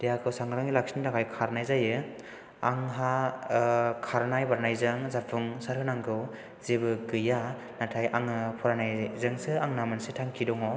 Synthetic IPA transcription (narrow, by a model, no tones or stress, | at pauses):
d̥ejakʰɯwsaŋɡɾaŋilak̚sinidakajkʰaɾnajzajɯ | aŋɦa | kʰaɾnajbaɾnajzɯŋzapʰuŋsaɾhɯnaŋɡʰɯw | zebɯɡɯja | natʰajaŋɯpʰɔɾanajzɯŋsɯaŋnamɯnsetʰaŋkʰidɔŋɔ